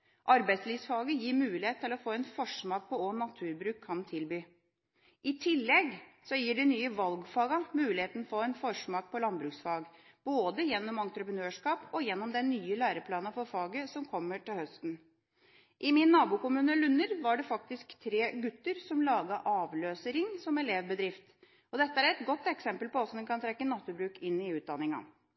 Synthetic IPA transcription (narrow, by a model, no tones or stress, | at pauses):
ʔɑɾbæɪt̪sliːʋsfɑːɡəjiːɾmʉːlɪheːt̪t̪ʰːɪlɔfoːɛnfɔʂmɑːk̚pʰɔonɑt̪ʰʉːɾbɾʉːkʰːɑnt̪ʰɪlbyː | ʔɪt̪ʰɪlːɛɡsɔjiːɖɛnyːəʋɑlɡfɑːɡɑmʉːlɪheːt̪nfoːɛnfɔʂmɑːk̚pʰɔlɑnbɾʉːksfɑːɡb̥oːd̪əjɛnːɔmɑnt̪ɾəpɾənøːʂkɑːpʰɔjɛnːɔmd̪ɛnːyːəlæːɾəpʰlɑːnɑfɔɾfɑːɡəsɔmkʰɔmːəʈɪlhœst̪n̩ | ʔɪmɪnːɑːbuːkʊmʉːnəlʉnːəɾʋɑɖɛfɑk̚t̪ɪskt̪ʰːɾeːɡʉt̪ːəɾsɔmlɑːɡɑʔɑːʋløːsəɾɪŋsɔmɛleːʋbəd̪ɾɪft̪ | ɔd̪ɛt̪ːəæɾɛt̪ɡɔt̪ːɛksɛmpəlpɔɔsd̪ɛnkʰɑnt̪ʰɾɛkːənɑt̪ːʉbɾʉːkɪnːɪʉːt̪̚d̪ɑnɪŋɑ̰